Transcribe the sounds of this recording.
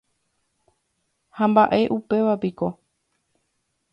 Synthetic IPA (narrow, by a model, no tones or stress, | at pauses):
hãmbaʔe̞ʔupe̞ʋapiko̞